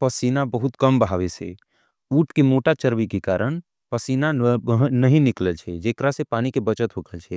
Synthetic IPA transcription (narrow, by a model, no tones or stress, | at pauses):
pəsinabəɦut̪kəmbəɦaʋesḛ | uːʈʰkemoːʈat͡ʃəɾʋikekaːɾəɽ̃ | pəsiːnaɦnəɦĩnɪkləlt͡ʃʰɛd͡ʒeːkɾasepaːnikebət͡ʃət̪ɦokʰəlt͡ʃʰɛ